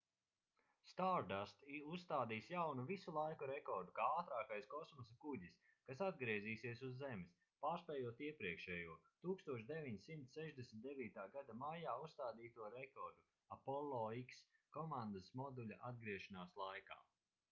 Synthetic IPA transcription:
st̪aɾd̪ast̪iusst̪aːd̪iːsjawnuvisulˠajkuɾekɔɾd̪ukaːaːt̪ɾaːkajskɔsmɔsakuɟis | kasad̪̚ɡɾiɛziːsiɛsuzːemɪs | paːɾspɛjuɔt̪iɛpɾiɛkʃɛːjuɔt̪uːkst̪uɔʃd̪evʲiɲsimt̪ssɛʒd̪esm̩t̪d̪eviːt̪aːɡad̪amajaːusst̪aːd̪iːt̪uɔɾɛkɔɾd̪u | apɔlˠɔikskɔmãnd̪asmɔd̪uʎʲaʔad̪̚ɡɾiɛʃanaːslˠajka̰ː

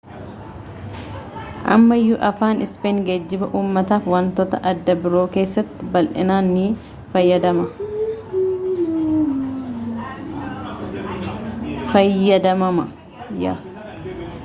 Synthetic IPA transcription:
ʔɐ̰mːɐjːʊʔɐfaːnʔɪspeːŋɡɐd͡ʒːɪbɐʔuːmːɐt̪aːfwɐnt̪ɔt̪ɐʔɐd̪ːɐbɪɾo̞ːke̞ːsːɐt̪ːɪbɐlʔɪnaːnːiː | fɐjːɐd̪ɐmɐ | fɐjːɐd̪ɐmɐmɐ | ja̰ːs

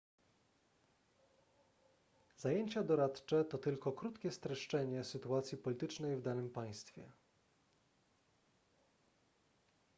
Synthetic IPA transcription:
z̥ajeɲt͡ɕad̪ɔɾat̪t͡ʂɛt̪ɔt̪ɘlkɔkɾut̪kʲɛst̪ɾɛʂt͡ʂɛɲɛsɘt̪uat̪sʲjipɔlʲit̪ɘt͡ʂnɛjvd̪anɘmpaj̃st̪fʲjɛ̰

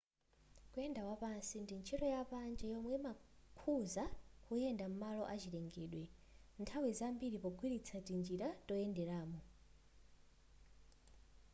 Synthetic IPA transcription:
kuɛndakwapansindint͡ʃʰitɔjapand͡ʒɛjɔmwɛmakʰuzahujɛndam̩malɔʔat͡ʃiɾɛŋɡɛːɗwɛ | ntʰawizambiɾipɔɡʱwiɾit͡sʰatind͡ʒiɾatɔjɛndɛɾaːmɔ

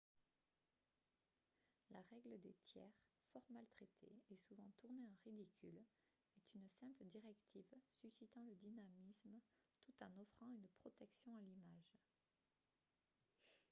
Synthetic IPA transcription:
laʁɛɡləd̪et̪ʰjɛ̰ʁ | fɔʁmalt̪χet̪ʰḛɛsuvɑ̃t̪uʁneɑ̃ʁid̪ikʲʰyl | ɛt̪ʰynsɛ̃pləd̪iʁɛkt̪ʰivsysit̪ɑ̃ləd̪inamismt̪ut̪ɑ̃nɔfχɑ̃ynpχɔt̪ɛksjɔ̃alimaʒ

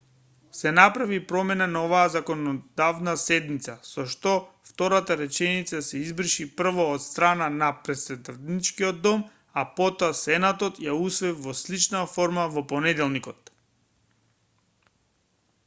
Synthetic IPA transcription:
sɛnapɾavipɾɔmɛnanaovaːzakɔnɔd̪avnasɛd̪mit̪sasɔʃt̪ɔft̪ɔɾat̪aɾɛt͡ʃɛnit̪sasɛizbr̩ʃipr̩vɔːt̪st̪ɾananapɾɛt̪sɛd̪at̪nit͡ʃkiɔd̪̚d̪ːɔm | apɔt̪ɔasɛnat̪ɔt̪jausvɛvɔslit͡ʃnafɔɾmavɔpɔnɛd̪ɛlˠnikɔt̪

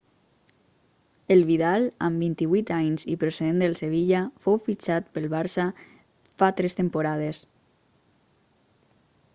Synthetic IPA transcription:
elβiðala̰mbint̪iβuit̪aɲzipɾoseðend̪əlˠseβ̞iʎafowfit͡ʃat̪pəlˠβaɾsa | fat̪ɾest̪empoɾaðes

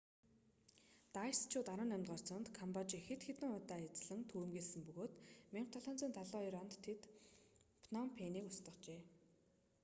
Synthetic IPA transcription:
t̪ajst͡ɕʰʊːt̪aɾə̆ːnæmʲt̪ɢɔr̥t͡sɞ̆nt̪kʰɔmpɔt͡ɕixet̪xet̪ɘ̆ŋʊt̪aːet͡sɮɘ̆ŋt̪ʰuːɾɘ̆mɡeːɮsɘ̆mpɵɣoːt̪meɴχ̚t̪ʰɔɮɔːnt͡siːnt̪ʰaɮɔːiɾɔnt̪ʰːet̪ | pʰnɔmpʰeniːkʊst̪ə̆χt͡ɕeː

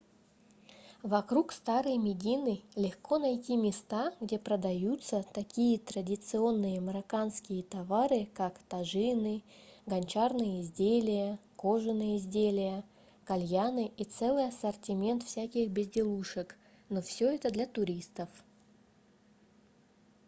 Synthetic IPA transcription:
vɐkɾukst̪aɾɨjmʲɪdʲinɨlʲɪxko̞nɐjtʲimʲɪst̪aɡdʲe̞pɾəd̪ɐjut̪sət̪ɐkʲijət̪ɾədʲɪt̪sɨo̞nːɨjəməɾɐkanskʲɪjət̪avaɾɨkakt̪ɐʐɨnɨɡɐnʲt͡ɕarnɨjəɪzʲdʲelʲɪjəko̞ʐɨnɨjəɪzʲdʲelʲɪjə | kɐlʲjanɨʔit̪sɛlˠɨjɐsərtʲɪmʲe̞nt̪fsʲækʲɪxbʲɪzʲdʲɪlˠuʂək | no̞fsʲɵɛt̪əd̪lʲat̪ʊɾʲist̪əf

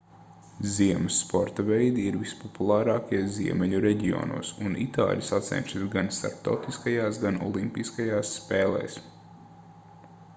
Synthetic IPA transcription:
ziɛməsːpɔɾt̪avɛjd̪iːɾvispɔpulˠaːɾɑːkiɛziɛmɛʎuɾɛɟio̰ːnṵːsunḭt̪a̰ːlʲsat̪sɛ̰nʲʃisɡanst̪a̰ɾp̚t̪a̰wt̪iskajaːsɡanɔ̰lˠimpiskajaːsːpeːlɛ̰ːs

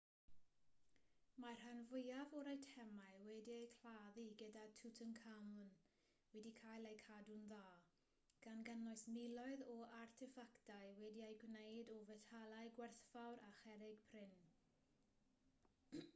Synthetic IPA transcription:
marhanvʊjavɔɾajtʰɛmaɨwɛdiejkʰl̥aðiɡədatʰutʰənkʰamʊn | wɛdikʰaːjlˠejkʰadunðaː | ɡ̥anɡənɔɨsmɪlˠɔɨðɔartʰɪfaktajwɛdiejɡwnejdɔvɛtʰalˠaɨɡwɛrθfawɾaχɛɾɪɡ̥pʰrɪn

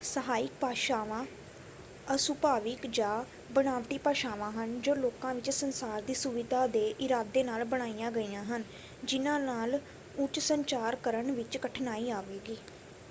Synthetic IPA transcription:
səɦaːɪk̚paːʃaːʋãː | əsʊpaːʋɪkd͡ʒaː | bənaːʋʈiːpaːʃaːʋãːɦənd͡ʒoːloːkãːʋɪt͡ʃsənsaːɾd̪iːsuʋɪd̪aːd̪eːʔɪɾaːd̪eːnaːlbəɽ̃aːijãːɡəiːjãːɦən | d͡ʒɪnãːnaːl | ʊt͡ʃsəɲt͡ʃaːɾkəɾəɳʋɪt͡ʃkəʈʰnaːiːaːʋeːɡiː

